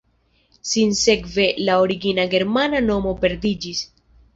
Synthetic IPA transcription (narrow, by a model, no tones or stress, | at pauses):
sinse̞kve̞laoɾiɡinaɡe̞ɾmanano̞mo̞pe̞ɾdid͡ʒis